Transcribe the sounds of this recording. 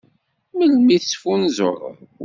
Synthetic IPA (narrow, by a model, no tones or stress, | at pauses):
məlmiθsfunzo̰ɾˤə̰ð